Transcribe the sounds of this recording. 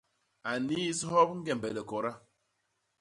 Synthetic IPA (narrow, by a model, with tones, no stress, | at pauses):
a˨ni˦shɔ˦bŋ̩˦ɡe˨m˨bɛ˨lɛ˨kɔ˨ɾa˦